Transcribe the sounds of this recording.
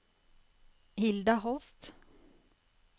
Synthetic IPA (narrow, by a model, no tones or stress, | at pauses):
hɪld̪ahɔst̪